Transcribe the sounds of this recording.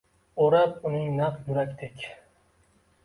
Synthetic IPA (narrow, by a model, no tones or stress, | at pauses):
oɾap̚ʊnɪŋnɑqjʊɾakʲt̪ʰekʲ